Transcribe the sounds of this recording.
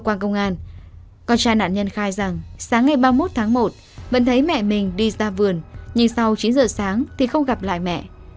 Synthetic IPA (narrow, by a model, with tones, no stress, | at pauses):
kwaː˧nkə˧wŋ͡mʔaː˧n | kɔ˧nt͡ɕaː˧jna̰ː˧˨nɲə˧nxaː˧jza˨˩ŋsaː˨˦ŋːa˨˩jɓaː˧mo˦˥t̚t̪ʰaː˨˦ŋmo˨˩t̚ | və̰˧˥nt̪ʰə˨˦jmɛ̰˧˨mï˨˩ŋ̟ɗi˧zaː˧vɨ˨˩ənɲɨ˧ŋsa˧wt͡ɕi˨˦nzə̰ː˧˨saː˨˦ŋt̪ʰi˨˩xə˧wŋ͡mɣa˨˩p̚la̰ː˧˨jmɛ̰˧˨ʔ